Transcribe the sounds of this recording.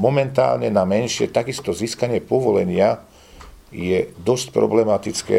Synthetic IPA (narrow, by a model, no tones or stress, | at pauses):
mɔmɛnt̪a̰ːlɲɛnamɛnʃɪɛ̰t̪aɡist̪ɔziːskaɲɪɛpɔʋɔlɛɲɪa | jɛd̪ɔsc̚pɾɔ̰blɛmat̪it͡skɛ̰